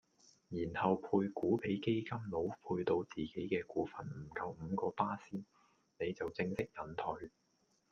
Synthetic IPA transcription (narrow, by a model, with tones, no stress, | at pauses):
jiː˨˩nhɐ˨wpʰuː˧jkuː˨˥pe˨˥jke˥jkɐ˥mlo˨˧˥wpʰuː˧jt̪o˧wt͡siː˨ke˨˥jkɛː˧kuː˨˥fɐ˨nm̩˨˩kɐ˧wm̩˨˧kɔː˧paː˥siː˥ | ne˨˧jt͡sɐ˨wt͡sɪ˧ŋsɪ˥k̚jɐ˨nt̪ʰɵ˨˧ɥ